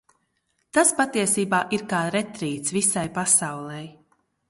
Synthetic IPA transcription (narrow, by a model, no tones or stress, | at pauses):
t̪aspat̪iɛsiːbaːʔiɾkaːɾɛt̪ɾiːt̪svisajpasawlˠɛj